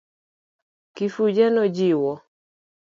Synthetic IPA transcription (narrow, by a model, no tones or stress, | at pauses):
kifud͡ʒɛnɔd͡ʒiwɔ